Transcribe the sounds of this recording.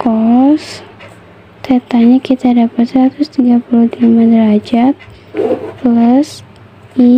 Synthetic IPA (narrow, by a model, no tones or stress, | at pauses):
kɔs | t̪ɛt̪aɲakit̪adapat̪sɾat̪ʊst̪iɡapuluhd̪imad̪əɾad͡ʒat̪̚ | pləs | i